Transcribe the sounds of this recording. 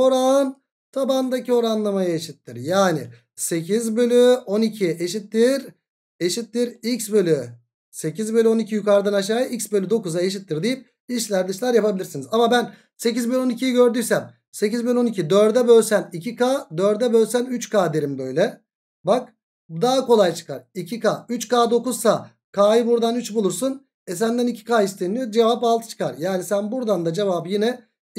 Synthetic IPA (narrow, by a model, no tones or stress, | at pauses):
o̞ɾaɯn | t̪ʰaband̪acio̞ɾanlˠamajaeʃit̪ːiɾjaːnḭ | se̞cʰizbø̞lʲyo̞nicʰiʔeʃit̪ːiɾ | e̞ʃit̪ːiɾicsbø̞lʲy | se̞cizbø̞lʲyo̞nicʰijukʰaɾd̪anaʃ̬aːjɯʔicsbølʲyd̪o̞kuzaeʃ̬it̪ːiɾd̪ijip̚ | iʃlʲæɾd̪ɯʃlʲˠaɾjapʰabilʲiɾsinizamabæn | se̞cizbølʲyo̞nicʰijiɟø̞ɾd̪yjsæm | se̞cizblʲo̞nicʰid̪øɾd̪ɛbø̞lʲsænicʰikaːd̪øɾd̪ɛbø̞lʲsænyt͡ʃkʰaːd̪e̞ɾimbø̞jlʲɛ | bak | d̪aːako̞lˠajt͡ʃʰɯ̥kʰaɾicʰikaːyt͡ʃkaːd̪o̞kuzsa | kʰaːjɯbuɾd̪anyt͡ʃbulˠuɾsun | ɛs̬ænd̪ænicʰi̥kaːist̪ʰenʲid͡ʒe̞vapalˠt̪ʰɯ̥t͡ʃʰɯ̥kʰaɾjaːnisænbuɾd̪and̪ad͡ʒe̞vaːbɯjinɛ